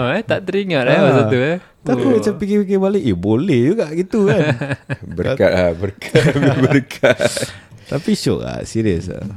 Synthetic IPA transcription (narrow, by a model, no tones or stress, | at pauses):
ɛt̪aʔt̪əɾiŋaʔaasat̪uɛ | t̪akimat͡ʃampikipikɪbaliʔibolɛhd͡ʒuɡaʔɡit̪ukanbəkat̪̚abəɾkʰabəɾkʰatt̪apiʃɔ̰ʔa̰ʔsiɾiəsa̰